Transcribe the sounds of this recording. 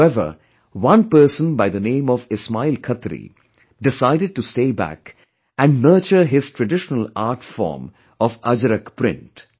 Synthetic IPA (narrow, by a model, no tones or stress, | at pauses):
ɛʋə̰ | ʋʌ̃npəːɾsə̃nbaɪd̪ənẽːmɔʋɪsmaɪlkʰʌt̪ɾḭ | ɖɪsaɪɾɪɖ̚ʈusʈeːbæ̰k | ʔæ̃ɳɖnəːt͡ʃəɾɦɪz̥ʈɾəɖɪʃənəlaːɾʈfɔ̰ːɾm | ɔʋʌd͡ʒəɾəkpɾɪ̰̃nʈ